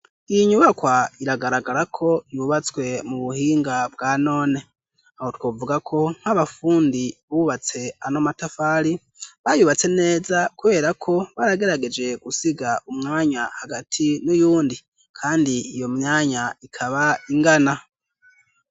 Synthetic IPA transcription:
ijiɲuβakwaiɾaɡaɾaɡaɾakʰo̞iβuβat͡swe̞muβuhiːŋɡabɡaːno̞ːne̞ | aho̞twoːvuɡakʰo̞ŋ̥haβafuːndiβuβat͡se̞ano̞matafaːɾi | βajuβat͡se̞ne̞ːzakuβe̞ːɾakʰo̞βaɾaɡe̞ɾaɡe̞d͡ʒe̞ɡ̥usiɡaʔumŋaːɲahaɡatʰinujuːndi | kʰaːndiːjo̞mɲaːɲaikʰaβaiŋɡana

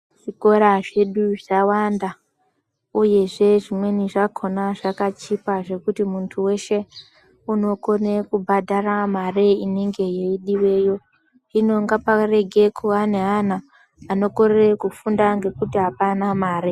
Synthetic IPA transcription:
ʐ̥iko̞ɾaʐe̞ɗuʐawanda | uje̞ʐe̞ʐimwe̞niʐakʰo̞naʐakat͡ʃipaʐe̞kutimuntʰuwe̞ʃe̞ | uno̞ko̞nekubʱadʱaramareine̞ŋɡe̞jeiɗiwe̞ːjo̞ | ino̞ŋɡapare̞ɡʱe̞kʰuaneɦan̤aː | no̞ko̞rerekufundaŋɡe̞kutiɦapanamaːɾe

